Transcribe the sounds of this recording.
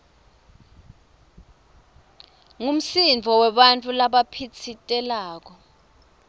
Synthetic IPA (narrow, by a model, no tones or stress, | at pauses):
ŋum̩siɱd͡vʱɔwɛɓant͡fʼulaɓapʰit͡sʰitʼɛlaːk̬ɔ